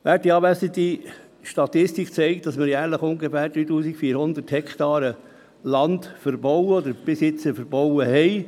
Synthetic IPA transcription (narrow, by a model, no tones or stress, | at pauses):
ʋæːɾt̚diɑːbæsət̪i | ʃtɑt̪ɪstikʰt͡sɛɪkt̚d̥ɑsmɪɾjæːɾləχʊŋɡefæːɾd̥̪ɾyːt̪uːsikfiːɾhʊnd̪əthɛkt̪ɑːɾə | lɑnt̪fəɾbɔwəɔd̪əɾb̥ɪsɪt͡səfəɾbɔwəhɛɪ